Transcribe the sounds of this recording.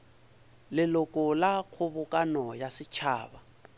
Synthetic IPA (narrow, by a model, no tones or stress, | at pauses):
lɪlʊkʼʊlaq͡χʰʊbʊkʼanɔjasɪt͡ʃʰaːba